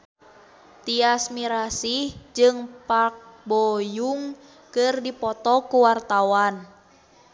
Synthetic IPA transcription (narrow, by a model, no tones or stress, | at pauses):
t̪iasmiɾasihd͡ʒɨŋpak̚bɔjuŋ | kɨrdipɔt̪ɔkuwart̪awan